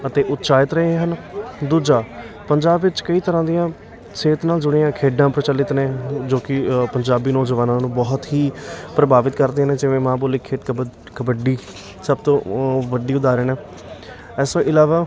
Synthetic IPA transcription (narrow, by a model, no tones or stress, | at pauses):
ət̪eːʔʊt̪ːʃaːɪt̪ɾəɦẽɦənd̪uːd͡ʒaː | pəɲd͡ʒaːbʋɪt͡ʃkəiːt̪əɾãːd̪ɪjãː | seːt̪naːld͡ʒʊɽijãːkʰeːɖãːpɾət͡ʃəlɪt̪nẽːd͡ʒoːkɪpəɲd͡ʒaːbiːnɔːzəʋaːnãːnũːbɔːt̪ɦiːpɾəbaːʋɪt̪kəɾd̪eːnẽːd͡ʒɪʋẽːmãːboːleːkʰeːʈ | kəbəɖiː | səbt̪õːʋəɖiːʊd̪aːɾeːnẽː | ɛːsõːʔɪlaːʋaː